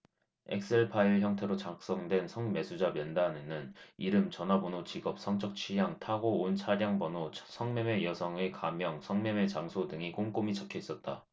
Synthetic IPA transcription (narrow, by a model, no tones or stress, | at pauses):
ḛk̚s͈eɭpʰaiɭçjʌŋtʰe̞ɾot͡ɕak̚s͈ʌŋdwe̞nsʰʌŋme̞sʰud͡ʑamjʌndanenɯniɾɯmt͡ɕʌnabonot͡ɕiɡʌp̚s͈ʰʌŋt͡ɕ͈ʰʌk̚t͡ɕʰijaŋtʰaɡoːnt͡ɕʰaɾjaŋbʌnosʰʌŋmeme̞jʌsʰʌŋekamjʌŋsʰʌŋme̞me̞t͡ɕaŋsʰodɯŋik͈oŋk͈omit͡ɕʌkʰjʌis͈ʌt̚t͈a